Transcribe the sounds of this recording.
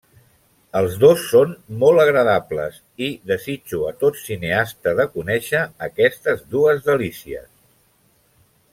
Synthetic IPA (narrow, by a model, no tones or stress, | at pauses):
əlˠzðosːonmolˠəɣ̞ɾəðaplə̰s | iðəzid͡ʒuət̪ot̪sineast̪əðəkunɛʃəːkɛst̪əzðuəzðəlisiə̰s